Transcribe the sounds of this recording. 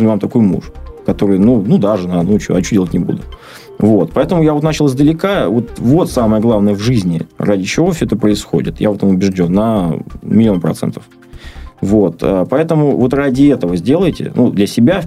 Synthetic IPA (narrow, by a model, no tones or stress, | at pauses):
nʲvamt̪ɐko̞jmṵʂkɐt̪o̞ɾɨjnunud̪aʐɨnanut͡ɕoɐt͡ɕodʲelˠətʲnʲɪbṵd̪ʊ | vo̞t̪̚pɐɛt̪əmʊjavot̪nat͡ɕɪlˠzd̪əlʲɪkavo̞t̪vo̞t̪saməjəɡlˠavnəjəvʐɨzʲnʲɪ̰radʲɪt͡ɕɪvo̞fsʲoɛt̪əpɾəɪsxo̰dʲɪ̰t̪ja̰o̞t̪əmʊbʲɪʐdʲo̞nːəmʲɪlʲɪo̞npɾɐ̰t̪sɛ̰nt̪ə̥f | vo̞t̪ə̰pɐɛt̪əmʊvo̞t̪radʲɪɛt̪əvəzʲdʲe̞lˠəjtʲɪ̰nʔud̪lʲəsʲɪbʲa